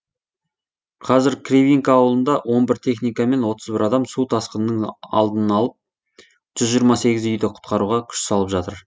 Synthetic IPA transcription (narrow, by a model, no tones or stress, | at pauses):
qʰɑzɪɾkʲʰreviŋkaːwəlˠənd̪ɑwʔo̞nbɪɾt̪ʰe̞χnijkɑme̞nwo̞t̪ʰəzbɪɾɑd̪ɑmsut̪ʰɑsqənːəɴɑ̰lˠd̪ənənɑlˠəp̚ | ʒ̥ʏzʒijɾmɑse̞ɡʲɪzʏjd̪ɪqʰʊ̥t̪̚qɑɾuʁɑkʲʰʏ̥ʃsɑlˠəpʒɑt̪əɾ